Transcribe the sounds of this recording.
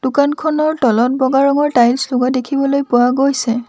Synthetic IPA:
d̥ʊkankʰɔnɔɹtɔlɔt̚bɔɡaɹɔŋɔɹtajlslʊɡadekʰibɔlojpʊaɡojsɛ

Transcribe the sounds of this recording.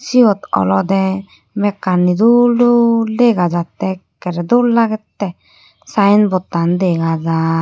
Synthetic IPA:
siɔt̪ɔ̰lɔd̪ɛ | mɛkːanːid̪ululɛɡad͡ʒat̪ɛkɛɾɛd̪uɾlaɡɛt̪ːɛ | sajnbɔt̪and̪ɛɡad͡ʒa

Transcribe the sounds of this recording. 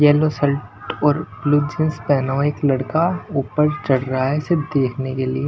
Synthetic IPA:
jɛːlosɐlʈɔːɾbluːd͡ʒɪnspɛːnaɪklɐɽkauːpəɾt͡ʃɐɽɾaɦaɦɛsɪɾpd̪eːkʰnekelie

